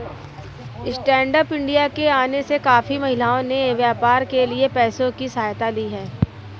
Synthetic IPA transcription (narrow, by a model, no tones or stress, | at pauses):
ɪsʈɛ̃ːɳɖəpɪ̃ɳɖijakeaːnesekaːfimɐɦɪlaːõneʋjaːpaːɾkeliepɛːsõkisɐɦaːjt̪aliɦɛː